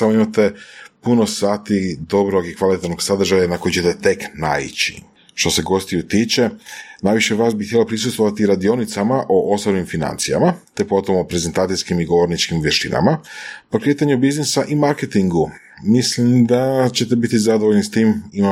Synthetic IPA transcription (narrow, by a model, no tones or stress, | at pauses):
amoimat̪e̞punosaːt̪id̪o̞bɾoɡikʋalit̪et̪no̞ɡ̥sad̪r̩ʒajanako̞jt͡ɕe̞t̪et̪e̞kna̰ḭt͡ɕḭ | ʃt̪o̞se̞ɡo̞st̪ijut̪iːt͡ʃe̞naːjʋiʃeʋaːsbixt̪jelo̞pɾisust̪vʋo̞ʋat̪iɾad̪io̞nit̪samaʔoʔo̞sobnimfina̰nt̪sija̰mat̪e̞po̞t̪o̞mopɾe̞ze̞nt̪aːt̪ijskimiɡo̞ʋo̞ɾnit͡ʃkimʋjeʃt̪ḭna̰mapokɾe̞ːt̪aɲubiznesaʔimaɾke̞t̪iŋɡu | mislimd̪at͡ɕe̞t̪e̞bit̪izad̪oʋoʎnist̪iːmima